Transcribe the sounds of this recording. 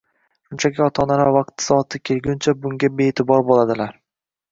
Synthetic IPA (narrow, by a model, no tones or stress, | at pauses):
ʃʊnt͡ʃʰakʲɪɒt̪ʰɒnaɾavɑq̚t̪ʰɪ̥sɒːt̪ʰːɪkʲʰelɡʲʊnt͡ʃʰabʊŋɡʲabe̞ːt̪ʰɪbɒɾbolˠad̪ɪlaɾ